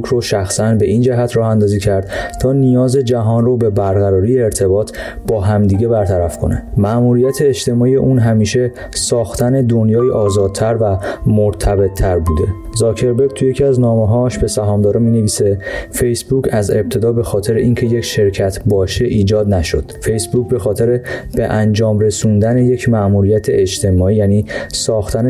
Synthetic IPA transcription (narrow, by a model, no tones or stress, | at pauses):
kʰɾoʃæxsænbe̞ʔind͡ʒæɦæt̪ʰrɒːhænd̪ɒːziːcʰæɾd̪t̪ʰɒːnijɒːze̞d͡ʒæɦɒːnrobe̞bæɾɣæɾɒːɾiːjeːɾt̪ʰe̞bɒːt̪ʰ | bɒːɦæmd̪iɟe̞bæɾt̪ʰæɾæfkʰonæ̰mæʔmuːɾijæt̪ʰeːd͡ʒt̪ʰe̞mɒːijḛʔuːnɦæmiːʃe̞ | sɒːxt̪ʰæne̞d̪onjɒːjiʔɒːzɒːd̪̥̚t̪ʰæɾvæmoɾt̪ʰæbe̞t̪ʰːæɾbuːd̪e̞̰ | zɒːcʰe̞ɾbeɾɡ̚t̪ʰuje̞cʰiæznɒːmeɦɒːʃbe̞sæɦɒːmd̪ɒːɾɛmiːneviːse̞fe̞jsbuːcʰæze̞b̚t̪ʰe̞d̪ɒːbe̞xɒːt̪ʰe̞ɾeʔiːncʰe̞jecʰʃe̞ɾcʰæt̪ʰbɒːʃe̞ʔiːd͡ʒɒːd̪næʃo̰d̪̥fe̞jsbucbe̞xɒːt̪ʰe̞ɾeb̥eʔænd͡ʒɒːmɾe̞sund̪æne̞je̞cʰmæʔmuːɾijæt̪ʰeʔed͡ʒt̪ʰe̞mɒːiːjæːniːsɒːxt̪ʰæne